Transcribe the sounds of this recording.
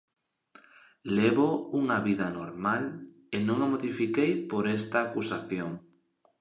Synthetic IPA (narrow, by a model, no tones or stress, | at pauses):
leβouŋɐβiðɐnoɾmal | enõŋamoðifikejpoɾest̪aːkusaθjoŋ